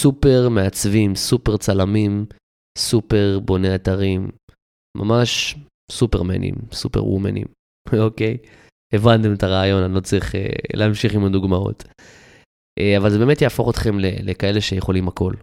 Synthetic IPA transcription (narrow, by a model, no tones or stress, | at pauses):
supe̞ʁme̞at͡svimsupe̞ʁt͡salamim | supe̞ʁbo̞neataʁimː | ʔa̰maʃ | supe̞ʁmḛnḭmsupe̞̰ʁwṵmḛnḭm | okej | evant̪emetaʁaːjo̞nanilot͡sʁiχḛlʔeamʃiχimad̪uɡmao̞̰t | ʔeavalzebemetjaːfo̞χot̪χe̞mlelekae̞le̞ʃe̞jeχo̞limako̞l